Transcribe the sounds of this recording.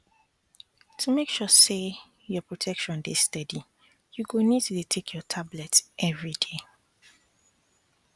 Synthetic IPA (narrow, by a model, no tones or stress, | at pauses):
tʰumekʃɔse | jɔpʰɹɔtʰɛkʃɔ̃ndestɛdi | juɡonid̚tʰutʰekʰjɔtʰablɛtʔɛvɹide